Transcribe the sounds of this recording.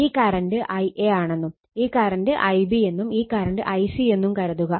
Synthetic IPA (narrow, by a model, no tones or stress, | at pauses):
iːkaːɾɐndɨʔɐjʔeaːɳe̞nːum | iːkːaːɾɐndɨʔɐjbie̞nːumiːkːaːɾɐndɨʔɐjsie̞nːumkɐɾɐðuɣɐ